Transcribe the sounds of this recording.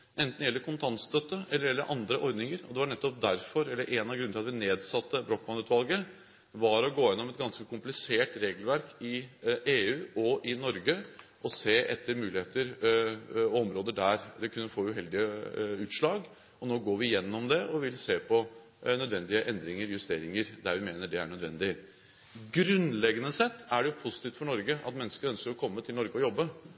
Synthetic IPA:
ʔɛnt̪njɛlːəɾkʰʊnt̪ʰɑnst̪œt̪ːəɛlːəɾjɛlːəɾʔɑnd̪ɾəʔɔɾd̪nɪŋəɾɔd̪ɛʋɑɳɛt̪ːɔp̚d̪æɾfɔɾɛlːəɾʔɛːnɑɡɾʉnɪlɑt̪ʋɪneːd̪sɑt̪ʰːəbɾɔk̚bɑnʉːt̪ʋɑlˠɡə | ʋɑɾɔɡoːjɛnːɔmɛt̪̚ɡɑnskəkʰʊmplɪseːʈɾeːɡəlʋæɾkɪeːʉːɔʔɪnɔɾɡəʔɔseːʔɛt̪ʰːəɾmʉːlɪheːt̪əɾ | ɔɔmɾoːd̪əɖæɾd̪ɛkʰʉnːəfoːʉɦɛld̪ɪəʉːt̪ʂɭɑːɡ | ɔnoːɡoːɾʋɪjɛnːɔmd̪ɛʔɔʋɪlseːpʰɔ | nœd̪ʋɛnd̪ɪəʔɛnd̪ɾɪŋəɾjʉst̪eːɾɪŋəɾd̪æɾʋɪmeːnəɖɛæɳœd̪ʋɛnd̪ɪ | ɡɾʉnlɛɡənəsɛt̪ːæɖɛjʊpʰʊsɪt̪iːft̪fɔɳɔɾɡəʔɑ̰t̪mɛnːəskəɾœnskəɾɔkʰɔmːət̪ʰɪlnɔɾɡəɔjɔbːə

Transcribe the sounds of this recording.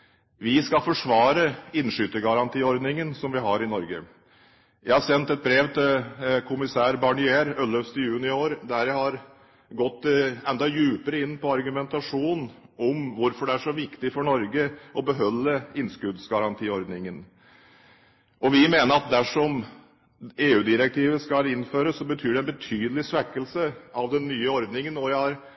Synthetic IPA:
ʋɪskɑfɔʂʋɑːɾəɪnʂʏt̪əɡɑɾɑnt̪ʰiːɔɾd̪nɪŋənsɔmʋɪɦɑɾɪnɔɾɡə | jæɪhɑsɛnt̪ɛt̪̚bɾeːʋt̪ʰɪlkʰʊmɪsæːɾbɑɳɪeːɾœlœfst̪ɪjʉːnɪoːɾd̪æɾjæɪhɑɾ | ɡɔt̪ːɛnd̪ɑjʉːpəɾəɪnːpʰɔɑɾɡʉmɛnt̪ɑʂuːnɔmʋʊɾfɔɖɛæʂɔʋɪkt̪ɪfɔɳɔɾɡəʔɔbəɦœlːəɪnskʉd̪sɡɑɾɑnt̪ʰiːɔɾd̪nɪŋən | ʔɔʋɪmeːnəɾɑt̪̚d̪æʂɔm | eːʉːd̪ɪɾɛk̚t̪ʰiːʋəskɑlɪnføːɾəsːɔbət̪ʰyːɖɛnbət̪ʰyːd̪əlɪsʋækːəlsəɑʋd̪ɛnːyːəɔɾd̪nɪŋənɔjæɪhɑɾ

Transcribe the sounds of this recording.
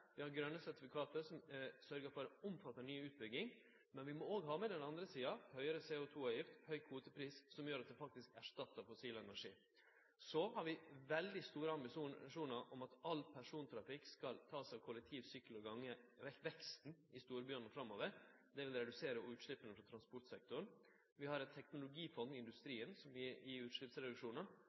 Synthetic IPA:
ʋɪhɑɾɡɾœnːəsæɾt̪ɪfɪkʰɑːt̪əsɔmsœɾɡəɾfɔɾʊmfɑt̪ːənyːʉːt̪̚bʏɡɪŋ | mɛnʋɪmɔoːɡɦɑːmɛd̪ɛnɑnd̪ɾəsiːɑhœʏəɾəseːʊt̪ʰuːɑːʋjɪft̪hœʏkʰʋuːt̪əpʰɾiːssɔmjøːɾɑt̪̚d̪ɛfɑk̚t̪ɪskæʂʈ̪ɑt̪ːəɾfʊsiːləɛnæʂiː | sɔhɑɾʋɪʋɛld̪ɪst̪uːɾəɑmbɪʂuːʂuːnəɾʔɔmɑt̪ɑlːpʰæʂuːnt̪ʰɾɑfɪkskɑlt̪ʰɑːsɑʋkʰɔlɛk̚t̪ʰiːʋsyːklɔɡɑŋːəɛʋɛkst̪n̩ɪst̪uːɾəbjœːɳfɾɑmːoːʋəɾ | d̪ɛʋɪlɾɛd̪ʉseːɾəʉːt̪ʂɭɪpːənəfɾɑt̪ʰɾɑnspɔʈ̪sɛk̚t̪ʊɾɳn | ʋɪhɑɾɛt̪t̪ʰɛknʊlʊɡiːfɔnd̪ɪɪnd̪ʉst̪ɾiːənsɔmɪɪʉːt̪ʂɭɪpsɾɛd̪ʉkʂuːnə

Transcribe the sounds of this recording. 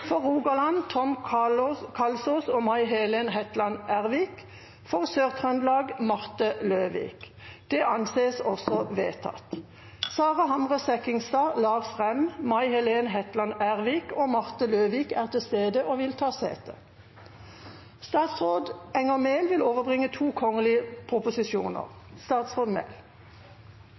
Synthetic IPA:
fɔʁuːɡɑlɑnt̪ʰɔm | kʰɑlsusoːmɑɪɦɛleːnɦɛt̪lɑnæʁʋiːk | fɔʁsøːʁt̪ʰʁœnd̪lɑːɡmɑʁt̪əløːʋḭːk | d̪̥ɛʔɑnseːsɔsɔʋeːt̪ʰɑ̰t̪ | sɑːʁɑhɑmʁəsɛkɪŋst̪ɑːlɑːsfʁɛmmɑɪhɛleːnəɦɛt̪lɑnæʁʋiːkoːmɑʁt̪əløːʋiːkæːʁt̪ʰɪlst̪eːd̪əʔoːʋɪlt̪ʰɑːsḛːt̪ə̰ | st̪ɑːt̪sʁoːd̪ɛŋəmeːlʋɪloːʋəʁbʁɪŋət̪ʰuːkʰɔŋəlɪəpʰʁʊpʊsɪʃuːnə̰ʁst̪ɑːt̪sʁoːd̪mḛːl

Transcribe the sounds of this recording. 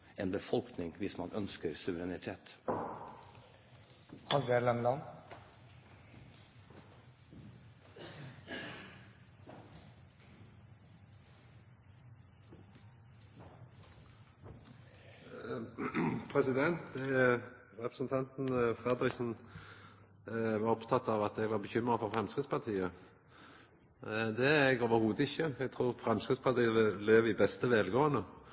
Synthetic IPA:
eːnbəfɔlknɪŋʋɪsmɑnʔœnskəɾsʉʋəɾɛnɪt̪ʰeːt̪ | hɑlʋɛlɛmlɑn | pʰʁɛsɪd̪ɛnt̪ | ʁɛpɾəsn̩t̪ʰɑnt̪n̩fʁɛd̪ɾɪksn̩ | ʋɑʁɔpt̪ʰɑt̪ːɑʋɑt̪ɛɡʋɑʁbəçʏmːʁəfɔʁfʁɛmskɪd̪spʰɑʁt̪ʰiːə | d̪ɛɛɡoːʋəɾhuːd̪əɪçəɛɡ̚t̪ʰʁuːʁfɾɛmskʁɪd̪spʰɑt̪ʰiːəleːʋiːbɛst̪əʋɛːlɡoːənə

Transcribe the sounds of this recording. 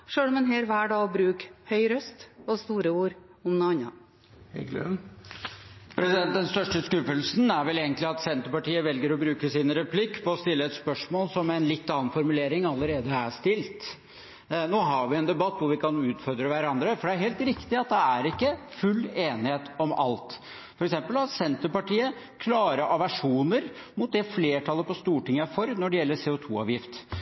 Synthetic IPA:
ʂøːɽɔmɛnɦeːɾʋæːɖɑːɡbɾʉːkhœʏɾœst̪ɔst̪uːɾəuːɾ | ʊmnoɑnɑ̰ | hɛ̰ɡlø̰ | pʰɾɛsɪd̪ɛn̚d̪ɛnst̪œʂʈəskʉfəlsn̩æɾʋɛleːɡənt̪lɪɑt̪sɛnt̪əɾpɑʈiːəʋɛlɡəɾɔbɾʉːkəsɪnɾɛpʰlɪkːpʰɔɔst̪ɪlːəɛt̪spœʂmoːlsɔmɛnlɪt̪ːɑːnfɔɾmʉleːɾɪŋɑlːəɾeːd̪əæʂt̪ɪlt̪ | noːɦɑɾʋɪɛnd̪ɛbɑt̪ːʋʊɾʋɪkʰɑnʉːt̪fɔɾd̪ɾəʋæɾɑnd̪ɾəfɔɖɛæɾɦeːlt̪ɾɪkt̪ɪɑt̪̚d̪ɛæɾɪkːəfʉlːeːnɪheːt̪ɔmɑ̰lt̪ | ffɔɾɛksɛmpəlɑt̪sɛnt̪əpɑʈiːə | kʰlɑːɾəʔɔʋæʂuːnəɾmʊt̪̚d̪ɛfleːʈʰɑlːəpɔst̪uːʈɪŋːəæɾfɔɾnɔɖɛjɛlːəseːʊt̪ʰṵːɑ̰ːʋjɪft̪

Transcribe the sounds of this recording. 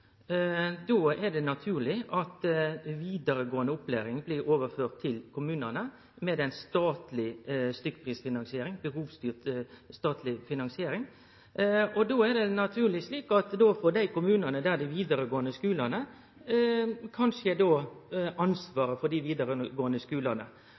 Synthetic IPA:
d̪oːɛd̪ɛnɑt̪ʰʉːɾlɪʔɑt̪ʋiːd̪əɾəɡoːənəʊpːlæ̰ːɾɪŋblɪɾoːʋəɾføːʁt̪ʰːɪlkʰʊmʉːnənə | mɛːd̪ɛɪnst̪ɑːt̪lɪst̪ʏkːpʰɾiːsfɪnɑnsɪeːɾɪŋbəhuːʋst̪yːʁt̪st̪ɑːt̪lɪfɪnɑnsɪeːɾɪŋ | ɔd̪oːæd̪ɛnɑt̪ʰʉːlɪsliːkɑt̪d̪oːfoːd̪æɪkʊmʉːnɑnəd̪æd̪ɪʋiːd̪əɾəɡoːənəskʉːlɑnə | kʰɑnʂəd̪oːʔɑnsʋɑːɾəfɔd̪ɪʋiːd̪əɾəɡoːənəskʉːlɑnə̰

